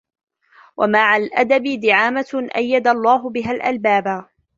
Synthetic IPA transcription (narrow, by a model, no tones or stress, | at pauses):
wʔa̰maʕalʔad̪abɪd̪ɪʕaːmaʔa̰jːad̪alˤːɑːɦʊbɪɦalʔalbaːba